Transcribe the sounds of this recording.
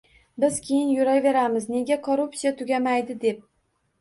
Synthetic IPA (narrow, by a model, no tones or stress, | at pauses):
bɪzkʲʰejɪnjʊɾajve̞ɾamɪzne̞ɡʲakʰoɾupsijat̪ʰʊɡʲamajd̪ɪd̪e̞p̚